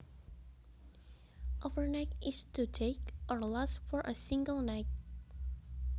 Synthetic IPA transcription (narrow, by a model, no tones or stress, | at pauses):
ʔɔvəɹnaɪk̚ʔɪstutʰekʔɔɹlɔsfɔɹʔəsĩŋɡəlˠnaɪt̚